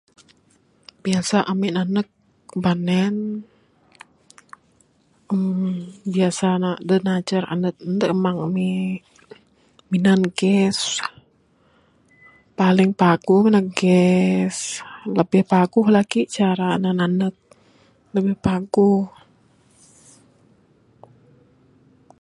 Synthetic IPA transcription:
biasaʔamiʔnanək̚ | banɛn | əmbiasanadənat͡ʃəra̰nət̪̚nt̪əʔmaŋami | minanɡɛs | palɪŋpaɡ̥uhminaŋ̚ɡɛsləbɪhpaɡuhlaɡit͡ʃaɾanənanək̚ | ləbɪhpaɡuh

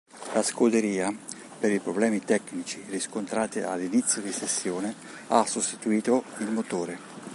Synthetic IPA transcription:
laskod̪eɾiːa | peɾipɾoblɛːmit̪ɛknit͡ʃiriskont̪ɾaːt̪ḭa̰lːinit̪sːjod̪isesːjoːnɪ | asːost̪i̥t̪uiːt̪oilmot̪oːɾe

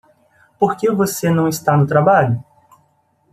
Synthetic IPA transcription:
poɾkevosenɐ̃w̃ist̪anʊt̪ɾabaʎʊ

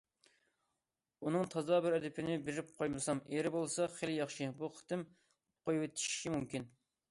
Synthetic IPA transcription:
unɨŋt̪ʰɑzɑbɪɾɛd̪ɪpʰɪnɪbeɾɪp̚qʰojmɨsɑmeɾɪbolˠsɑχeljɑχʃibuχʰɨ̥t̪ɪm | qʰojuwet̪ʰi̥ʃi̥ʃimumkʲin

